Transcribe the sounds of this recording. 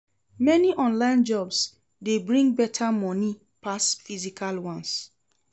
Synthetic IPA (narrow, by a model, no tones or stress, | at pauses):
mɛniʔɔ̃nlãɪ̃nd͡ʒɔbs | debɹĩŋɡbɛtʰamɔni | pasfizikʰalwɔ̃ns